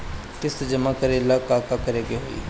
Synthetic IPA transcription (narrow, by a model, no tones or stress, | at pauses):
t̪ɪsd͡ʒɐmakəɾelakaːkakɐɾeɡeɦoːḭ